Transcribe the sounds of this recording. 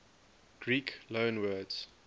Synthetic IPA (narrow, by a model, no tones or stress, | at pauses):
ɡ̥ɹiːklõʊnwɜːdz̥